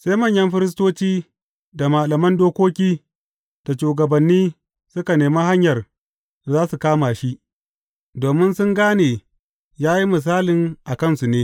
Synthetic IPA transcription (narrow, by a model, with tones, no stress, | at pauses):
sa˦jmɐ˦˨ɲjɐ˦mɸɪ˦ɾɪ˦s̬toː˦t͡ʃiː˦ | da˨ma˨lɐ˨mɐ˦ndoː˦kʷoː˦kʲiː˦ | d̥a˨ʃuː˨ɡɐ˨bɐ˨nːiː˦ | sʊ˦ka˨neː˨ma˦ɦa˦ɲjɐ˨r | zaː˦su˨kaː˦ma˨ʃi˦ʔ | doː˨mɪ˦nsʊ˦ŋɡaː˦neː˨ | jaː˦ji˦mɪ˨s̬aː˦lɪ˨ŋʔa˨kɐ˦nsu˨neː˦